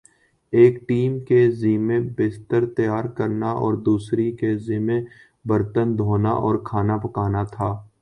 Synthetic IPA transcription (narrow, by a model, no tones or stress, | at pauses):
eːkʈiːmkeziːmẽbest̪əɾt̪əjaːɾkəɾnaʔɔ̰ːɾd̪uːsɾikeziːmẽ | bəɾt̪ənd̪ʱoːna̰ʔɔːɾkʰaːnapəkaːnat̪ʰaː